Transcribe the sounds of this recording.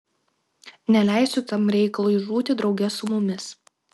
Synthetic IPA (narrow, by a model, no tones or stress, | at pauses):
nʲɛlʲæˑɪsʲʊt̪ɐmɾʲɛɪkɐlˠuːiʒuːt̪ʲɪd̪ɾɒʊɡʲɛsʊmʊmʲɪs